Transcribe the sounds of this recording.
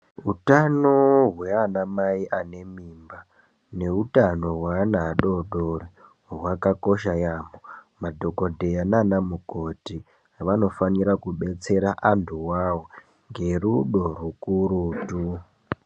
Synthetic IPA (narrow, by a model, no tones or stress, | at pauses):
utano̞ɦweanamaiʔane̞mimba | ne̞utano̞ɦwanaɗo̞ɗore | ɦwakako̞ʃajaːmomadʱo̞ko̞dʱejananamuko̞ti | ʋano̞faniɾakuɓe̞t͡se̞ɾaʔantʰuwawo | ŋɡe̞ruɗo̞rukuɾuːtu